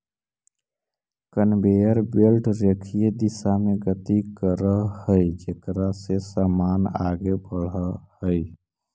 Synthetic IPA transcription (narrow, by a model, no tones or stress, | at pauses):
kənbejəɾbelʈɾekʰijed̪isameɡət̪ikəɾəhəjd͡ʒekɾasesəmana̰ɡebəɽəhəj